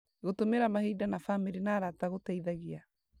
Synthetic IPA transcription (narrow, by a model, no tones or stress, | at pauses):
ɣotomeɾamahiːdanafamiɾenaːɾataɣotaiðaɣia